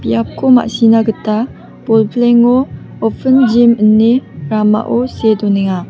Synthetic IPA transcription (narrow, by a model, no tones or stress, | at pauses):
piap̚kʰoma̰ʔsinaɡəta | b̥olpʰleŋo | ɔpʰənd͡ʒimənːeɾama̰ʔosedɔneŋa